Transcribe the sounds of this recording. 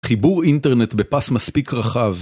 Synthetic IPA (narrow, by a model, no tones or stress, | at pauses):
χibuʁinteʁnet̪bepasmaspikʁaχav